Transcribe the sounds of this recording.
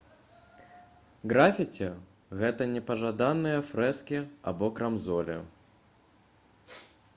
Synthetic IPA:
ɣɾafʲit͡sʲɛ | ɣɛt̪ɐnʲɛpɐʐad̪anːɨjɐfɾɛskʲia̰bɔkɾamzɔlʲɛ̰

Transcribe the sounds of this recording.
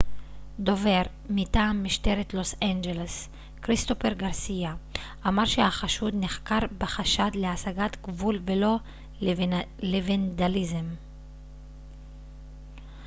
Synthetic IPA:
d̪o̞ve̞ʁ | mit̪aːmːiʃt̪eʁet̪lo̞sand͡ʒeles | kʁist̪ofeʁɡaʁsija | ʔamaʁʃehaχaʃud̪niχkaʁbeχaʃad̪leasaɡat̪ɡvulvelo̞ | levend̪alizem

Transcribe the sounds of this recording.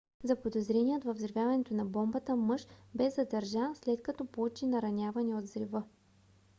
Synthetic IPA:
zɐpod̪ozɾɛnijət̪vɐvzɾivʲjavɐnɛt̪onɐbɔmbət̪əmɤʃbɛzɐd̪ɐɾʒaslɛt̪̚kɐt̪ɔpout͡ʃinɐɾɐnʲjavɐnɛod̪zɾivɤ

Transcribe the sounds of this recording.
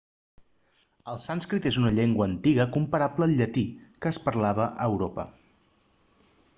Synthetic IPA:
əlˠsanskɾit̪ezunəʎeŋɡwəːnt̪iɣəkumpəɾapləːlʎət̪ikəːspəɾlaβ̞əʔəːwɾopə̰

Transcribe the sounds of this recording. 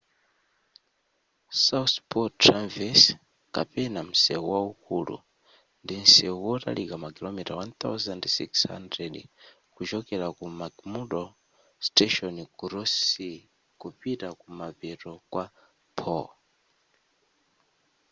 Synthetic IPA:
sauθpɔtɾanvɛs | ka̰pɛnam̩sɛuwaukulṵ | ndin̩sɛuwɔta̰likamakilɔmitawant̪a̰wzandsḭksha̰ndɾɛd | kud͡ʒɔkɛlakumaɡmuɗɔ | stɛʃɔnikuɾɔsi | kupitakumapɛtɔkwa | pʰɔ

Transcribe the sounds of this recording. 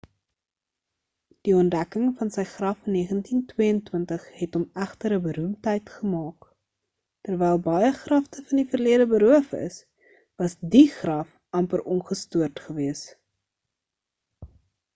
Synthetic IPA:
d̥iɔndækəŋfɐnsəjχrɐfniəχəntintwiəəntwəntəχɦɛtɔmæχtəɾəbəɾumtəjtχəmɑːk | tərvɛjlˠbɐjəχrɐftəfɐndifərliədəbəɾuəfə̰s | vɐsdiχrɐf | ɐmpərʔɔnχəstuərtχəviəs

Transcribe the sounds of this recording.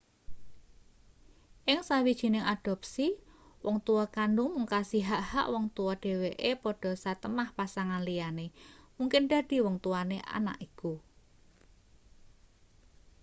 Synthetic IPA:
ʔɪŋsawid̥ʒ̥i̤nɪŋad̥ɔ̤p̚siwʔɔŋt̪uwɔkanɖʊŋmuŋkasiɦaʔha̰ʔwɔŋt̪uwɔɖ̥e̤weʔepɔɖ̥ɔ̤sat̪əmahpasaŋanlijanemuŋkɪnd̥a̤d̥i̤wɔŋt̪uwaneʔa̰na̰ʔiku

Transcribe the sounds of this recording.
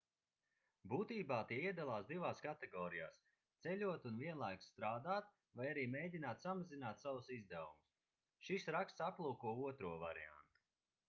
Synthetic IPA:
buːt̪iːbaːt̪iɛiɛd̪alˠaːsd̪ivaːskat̪ɛɡɔːɾija̰ːs | t̪sɛʎʲuɔt̪unviɛnlˠajkst̪ɾaːd̪aːt̪̚ | vajaɾiːmʲeːjdʲinaːt̪samazinaːt̪sawusizd̪ɛwumus | ʃisɾakst̪saplˠuːkuɔuɔt̪ɾuɔvaɾḭa̰nt̪u̥

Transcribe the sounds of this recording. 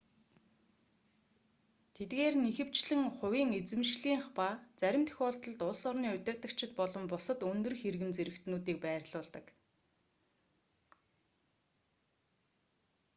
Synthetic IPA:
t̪ʰet̪̚ɡeːrnixɘ̆w̥t͡ɕɮɘ̆ŋχʊwiːŋet͡sɘ̆mʃɮiːŋχpaːt͡sæɾʲɪ̆mt̪ʰɵ̥xʲɔːɬt̪ɞ̆ɮt̪ʊɮsɔrniːʊt̪ʲɪ̆rt̪ə̆kt͡ɕʰɪ̆t̪̚pɔɮɞ̆mpʊsə̆t̪ɵnt̪ɵ̆rxerɣɘ̆mt͡seɾɘ̆kt̪nuːt̪iːk̚pæːrʲɮʊːɮt̪ə̆k

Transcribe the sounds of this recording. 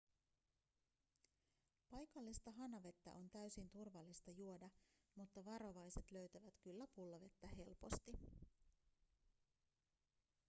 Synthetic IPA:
pɑjkɑlːist̪ɑɦɑnɑʋe̞t̪ːæ̰ʔo̞nt̪æɥsint̪urʋɑlːist̪ɑjuo̞dɑ | mut̪ːɑʋɑɾo̞ʋɑjse̞t̪lø̞ɥt̪æʋæt̪kylːæpulːɑʋe̞t̪ːæɦe̞lpo̞̰st̪i

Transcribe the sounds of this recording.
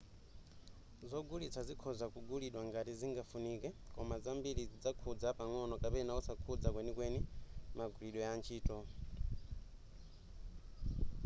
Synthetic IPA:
zɔɡulit͡sʰazikʰɔzakuɡuliɗwaŋɡatiziŋɡafunikɛkɔmazambiɾizid͡zakʰud͡zapaŋɔnɔkapɛnausakʰud͡zakwɛnikwɛnimaɡuliɗɔjant͡ʃʰiːtɔ

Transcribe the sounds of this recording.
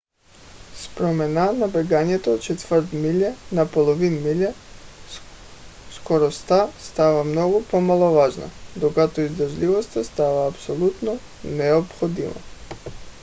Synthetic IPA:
spɾomenanabeɡaɲet̪oːt͡ʃet̪ʋəɾt̪miʎanapolˠoʋinmiʎa | skoɾost̪ast̪aʋamnoɡopomalˠoʋaːʒna̰d̪oɡat̪oizd̪ɾ̩ʒliʋost̪ast̪aʋaːpsolˠut̪no | neopxod̪iʋo̰

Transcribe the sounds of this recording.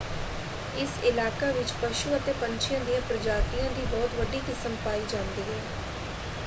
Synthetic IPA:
ɪsɪlaːkaːʋɪt͡ʃpəʃuːət̪eːpəɲt͡ʃʰɪjãːd̪ijãːpɾəd͡ʒaːt̪ijãːd̪iːbɔːt̪ʋəɖiːkɪsəmpaːiːd͡ʒãːnd̪iːɦɛː

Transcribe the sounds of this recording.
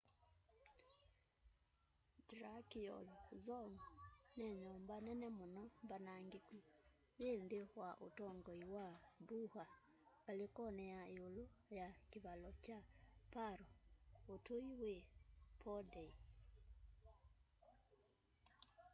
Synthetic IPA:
dɾakiɔ̰lɔzɔŋɔnɛɲɔːmbanɛnɛmonɔmbanaŋɡeku | βeːndewaʔo̰tɔŋɡɔiwabuha | βalekɔnɛjaeolojakeβalɔt͡ʃapaɾɔotoiwepʰɔdɛi

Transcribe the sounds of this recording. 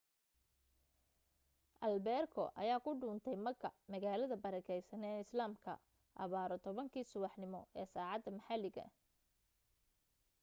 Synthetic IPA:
ʔɐlbɛːrkʰɔ̰ʔɐ̰jaːkʰʊɖʊːnt̪ʰɛjmɐɡɐ̰mɐɣaːlɐðɐbɐɾɐkʰɛjsɐnɛːɪslaːmkʰɐ̰ | ʔɐ̰βaːɾɔt̪ʰɔβɐŋkʰiːsʊwɑħnɪmɔʔɛːsaːʕɑd̪ːɐmɐħalɪɣɐ̰

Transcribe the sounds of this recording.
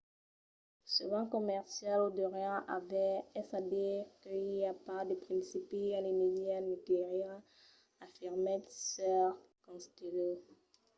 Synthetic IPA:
səvɑ̃kɔmɛʁsjalod̪ɔʁjãavɛɛsadiʁkəiljapad̪əpχɛ̃nsipialemed̪jɛnəkeʁiʁ | afiʁmɛsœʁkɔ̃st̪elo

